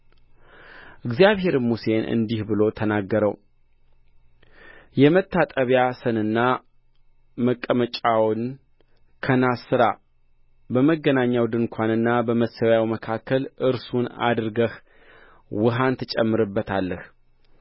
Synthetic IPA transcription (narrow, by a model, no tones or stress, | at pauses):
ʔɨɡzjaβɦe̞ɾmuse̞nʔɨ̰nd̪ihbɨlo̞t̪ʰənaɡːəɾəw | jɛmət̪ʰːat̪ʼəβjasɨnɨnːa | məkʼːəmət͡ʃʼawn | kʰənasɨɾa̰ | bəməɡːənaɲːawd̪ɨŋkʷʰanɨnːabəməsəwjawməkʰakʰːəlɨɾsuna̰d̪ɾɡəh | wɨɦant̪ʰɨt͡ʃʼɛmːɨɾɨbːət̪ʰalːəh